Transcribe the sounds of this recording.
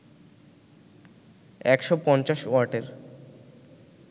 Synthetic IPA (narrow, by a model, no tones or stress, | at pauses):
ɛkʃopɔnt͡ɕaʃwaɾʈeɾ